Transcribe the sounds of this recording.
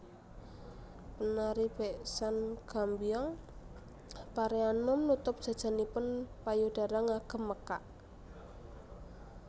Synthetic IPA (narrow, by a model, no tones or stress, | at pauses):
pənaɾib̥ɛʔsanɡ̥a̤mbijɔŋ | paɾeanʊmnut̪ʊp̚d̥ʒ̥a̤d̥ʒ̥a̤nipʊnpajud̥a̤ɾaŋaɡ̥ə̤mːəkaʔ